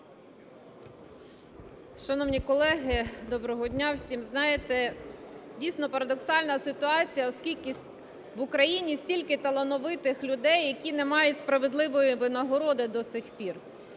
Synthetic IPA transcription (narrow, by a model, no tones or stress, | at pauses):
ʃɐnɔwnʲikɔlˠɛɦɪd̪ɔbɾɔɦɔdʲnʲawsʲimznɑjet̪ɛ | dʲijsʲnɔpɐɾɐd̪ɔksɑlʲnɐsɪt̪ʊɑt͡sʲijɐɔskʲilʲkɪ | ʋʊkɾɐjinʲisʲtʲilʲkɪt̪ɐlˠɔnɔʋɪt̪ɪxlʲʊd̪ɛjːɐkʲinemɑjʊtʲspɾɐʋed̪lˠɪʋɔjiʋɪnɐɦɔɾɔd̪ɪd̪ɔsɪxpʲir